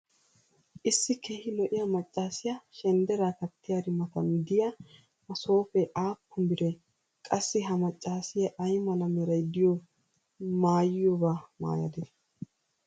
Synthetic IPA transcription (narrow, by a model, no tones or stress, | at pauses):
ʔɪsːɪke̞ːhɪlɔʔɪjɐmɐt͡ʃʼːaːsɪjaʃɛnd̪ɛɾaːkɐt̪ːɪjad̪ɪmːɐt̪ɐmd̪ɪja | mɐso̞ːfɛʔaːpʰːʊmbɪɾɛ | kʼɐsːɪɦɐmɐt͡ʃʼːaːsɪjɐʔɐjmɐlɐmɛɾɐjd̪ɪjo | maːjɪjobaːma̰ːjɐ̰d̪ɛ